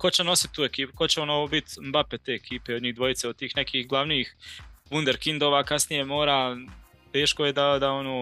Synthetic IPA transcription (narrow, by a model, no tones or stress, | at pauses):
ko̞t͡ɕeno̞si̥t̪̚ːuːekiːpu̥ko̞t͡ɕeonoʋoːbit̪mbapet̪eːekiːpe̞od̪ɲiːɣd̪ʋo̞jit̪seod̪t̪iːxnekiːxɡlˠaʋniːxʋund̪eɾkind̪oːʋaːkasnije̞mo̞ːɾaː | t̪e̞ːʃkoje̞d̪ad̪ao̞noː